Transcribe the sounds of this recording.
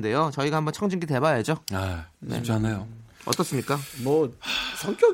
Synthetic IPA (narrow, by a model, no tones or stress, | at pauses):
nde̞jot͡ɕʌiɡahambʌnt͡ɕʰʌŋd͡ʑiŋɡite̞bajad͡ʑoenḛt͡ɕanejoʌ̰t͈ʌs͈ɯmɲik͈amʌsʰʌŋk͈jo